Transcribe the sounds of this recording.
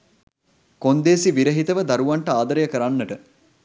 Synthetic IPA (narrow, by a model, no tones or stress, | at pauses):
kond̪eːsiʋiɾəɦit̪əʋəd̪aɾuʋaɳʈəaːd̪əɾəjəkəɾanːəʈə